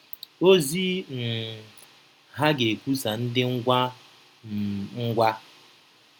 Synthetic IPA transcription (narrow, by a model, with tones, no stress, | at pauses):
o˦zi˦n̩˨ | ɦa˦ɡe˨kʷu˦sa˨n̩˦dɪ˦ŋ̩˦ɡʷa˦ | m̩˨ŋ̩˦ɡʷa˦